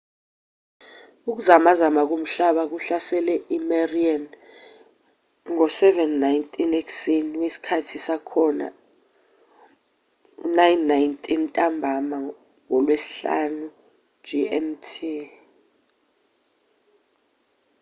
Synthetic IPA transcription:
uk̬uzamazamak̬om̩ɬaɓak̬uɬasɛlɛʔimarian | ŋɔsɛvɛnːajntʼineksiniwesi̥kʰatʰisakʰɔna̰ | ṵnajnːajntʰʼintʼambʱama | ŋɔlwesi̥ɬa̰nu̥ | d͡ʒiɛmtʰi

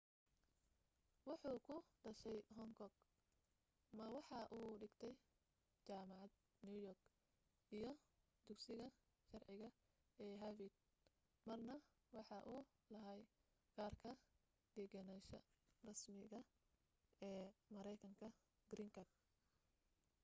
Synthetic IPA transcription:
wɑħuːkʰʊɖɐʃɛjɦɔŋkʰɔɡ | mɐwɑħɑʔuːɖɪɡt̪ʰɛj | t͡ʃaːmɑʕɑd̪̚ | nujɔrɡ | ʔijɞ | d̪̥ʊɡsɪɣɐ | ʃɐrʕɪɣɐ | ɛːɦɐvid̪̚ | mɐrnɐ | wɑħɑʔuː | lɐɦɐj | ɡ̥aːrkʰɐ | d̪ɛɡɐnɛʃɐ̰ | rɐsmɪɣɐ | ɛːmɐɾɛjkʰɐŋkʰɐ | ɡɾiŋkʰɐɡ̚

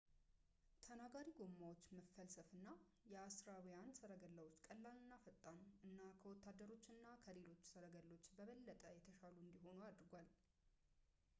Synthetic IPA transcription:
t̪ʰənaɡaɾiɡo̞mːawot͡ʃːməfːəlsəfɨnːa | jɛasɾawijansəɾəɡəlːəwo̞t͡ʃːkʼəlːalɨnːafət̪ʼːanuʔɨnːakʰəwɔt̪ːad̪ːəɾo̞t͡ʃːɨnːakʰəle̞lo̞t͡ʃːsəɾəɡəlːo̞t͡ʃːbəβəlːət̪ʼəjɛt̪ʰəʃaluɨnd̪iho̞nuad̪ɾɡʷal

